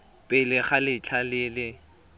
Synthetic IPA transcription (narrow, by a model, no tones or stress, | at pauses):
pʼɪlɪχalɪt͡ɬʰalɪlɪ